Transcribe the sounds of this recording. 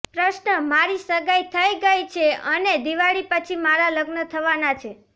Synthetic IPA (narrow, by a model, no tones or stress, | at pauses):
pɾəʃnəmaɾisəɡajt̪ʰəjɡəjt͡ʃʰeəned̪iʋaɭipət͡ʃʰimaɾaləɡnət̪ʰəʋanat͡ʃʰe